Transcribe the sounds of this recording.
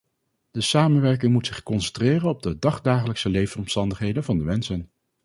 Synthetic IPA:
d̥əsaːmənʋɛɹk̬ɪŋmutsɪχkɔnsɛntrɪːrənɔb̚dədɑχdaːχələksəlejvənɔmstɑndəχɦejdənvɑndəmɛnsən

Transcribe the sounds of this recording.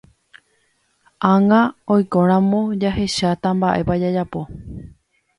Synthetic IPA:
ãŋãojkõ̞ɾ̃ãmõ̞d͡ʒaɦe̞ʃat̪ambaʔe̞pad͡ʒad͡ʒapo̞

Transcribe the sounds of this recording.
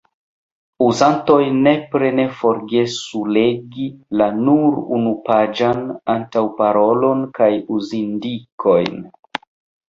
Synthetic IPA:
uzanto̞jne̞pɾe̞ne̞fo̞ɾɡe̞sule̞ɡilanuɾṵnupad͡ʒanantawpaɾo̞lo̞nkajuzindikʰo̞jn

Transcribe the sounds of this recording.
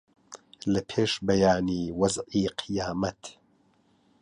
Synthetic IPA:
lɐpʰeːʃbɐjaːniːwɐzʕiːqʰɨjaːmɐt̪

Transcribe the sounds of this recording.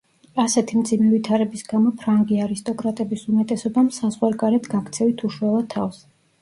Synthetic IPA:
asɛt̪ʰimd̪zimɛvit̪ʰaɾɛbisɡamɔpʰɾaŋɡiaɾist̪ʼɔkʼɾat̪ʼɛbisumɛt̪ʼɛsɔbamsazʁwaɾɡaɾɛt̪ʰɡakʰt̪sʰɛvit̪ʰuʃwɛlˠat̪ʰːafs

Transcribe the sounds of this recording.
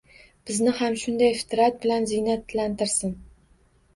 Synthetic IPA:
b̥ɪznɪhamʃʊnd̪ajfɪ̥t̪ʰɾat̪̚bɪlanzɪnat̪lant̪ɪɾsɪn

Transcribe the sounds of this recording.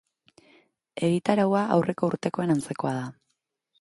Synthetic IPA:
e̞ɣit̪aɾawaʔa̰wrʔe̞ko̞uɾt̪e̞ko̞e̞nant͡se̞ko̞aða

